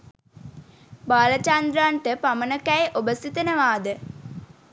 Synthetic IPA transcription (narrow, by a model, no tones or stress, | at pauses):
baːlɐt͡ʃand̪ɾaɳʈəpamənəkæjʔobəst̪it̪ənəʋaːd̪ə